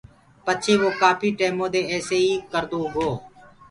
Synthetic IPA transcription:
pət͡ʃʰẽːʋoːkaːpʰiːʈeːmõːd̪eːɛːseːiːkəɾd̪oːɡoː

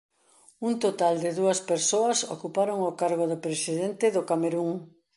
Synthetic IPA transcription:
unt̪ot̪ald̪ɪðuɐspeɾsoɐso̰kupaɾoŋʊkaɾɣ̞ʊðʊpɾesiðent̪ɪðʊkameɾuŋ

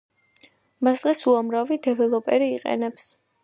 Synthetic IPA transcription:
masd̪̥ʁɛsuamɾavid̪ɛvɛlˠɔpʼɛɾiːqʼɛ̰nɛps

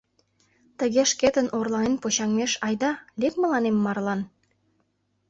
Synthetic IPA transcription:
t̪əɣeʃket̪ənʔorlɑnenpot͡ɕɑŋmeʃɑjd̪ɑlekmə̆lɑnemːɑrlɑn

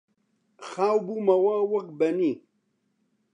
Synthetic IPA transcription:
xaːwbumɐwawɐkbɐni

